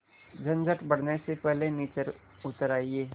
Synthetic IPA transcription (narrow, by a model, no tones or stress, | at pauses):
d͡ʒənd͡ʒəʈbəɽnesepɛɦleniːt͡ʃəɾ | ʊt̪ɾaːieː